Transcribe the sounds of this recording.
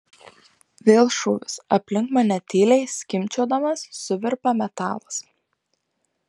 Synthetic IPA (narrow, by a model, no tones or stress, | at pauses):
ʋʲeːlˠʃuːʋʲɪsɐpʲlʲɪŋkmɐnʲɛt̪ʲiːlʲɛɪsʲkʲɪmʲt͡ʃʲoːd̪ɐmɐsːʊʋʲɪɾpɐmʲɛt̪ɑ̰ːlˠɐs